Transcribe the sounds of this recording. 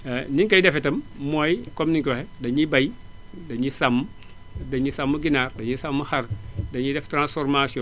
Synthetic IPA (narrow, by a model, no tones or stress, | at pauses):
niŋkɐjdɛfitɐmmoːjkomniŋkwɐhedɐɲibɐjdɐɲisamː | dɐɲisamːuɡinaɾdɐɲisamːuhɐɾdɐɲidɛftɾãnsfɔɾmasiɔ